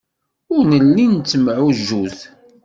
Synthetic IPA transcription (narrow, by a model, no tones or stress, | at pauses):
ʊɾnəlːint͡sːəmʕuʒːuθ